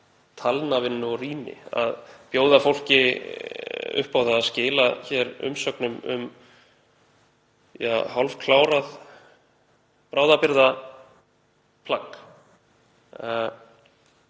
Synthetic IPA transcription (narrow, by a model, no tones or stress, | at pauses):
t̪ʰalnavɪnːʏɔriːnɪ̰a̰ðpjoːwðafowl̥cɪ | ʏ̰hpawðaːðscɪːlaçɛɾʏ̰msœknʏmʏ̰m | jahalv̥kʰlaːwɾað | pɾaːwðapɪɾða | pʰlak